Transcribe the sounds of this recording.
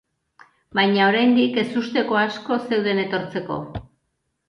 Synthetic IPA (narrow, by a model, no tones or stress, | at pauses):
bajɲao̞ɾajnd̪ike̞sust̪e̞ko̞asko̞se̞wðe̞ne̞t̪o̞ɾt͡se̞ko̞̰